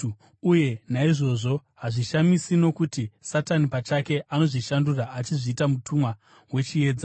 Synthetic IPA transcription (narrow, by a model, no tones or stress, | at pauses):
uje̞naiʐo̞ʐo̞ɦaʐiʃamisino̞kutisatanipat͡ʃake̞ʔano̞ʐiʃanduraʔat͡ʃiʐiːtamutʰumwa | we̞t͡ʃie̞ːd͡za